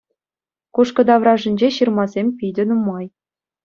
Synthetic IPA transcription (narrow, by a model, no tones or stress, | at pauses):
kuʂkɤ̆d̪ɑʋrɑʐɘ̆nʲd͡ʑeɕɯrmɑzʲemʲpʲidʲɘ̆numɑj